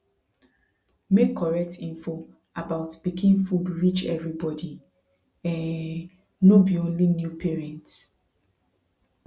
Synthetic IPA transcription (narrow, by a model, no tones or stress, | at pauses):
mekʰːɔɹɛk̚tʰĩɱfo | abaʊtb̥ikʰĩnfudɹit͡ʃɛ̰vɹibɔdi | ɛ̃nː | obiõnlinjupʰɛɹɛ̃nts